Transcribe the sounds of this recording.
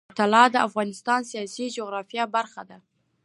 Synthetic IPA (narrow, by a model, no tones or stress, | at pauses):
t̪alɑd̪əafɣɑnɪst̪ɑnsijɑsid͡ʒoɣɾɑfjabaɾxad̪a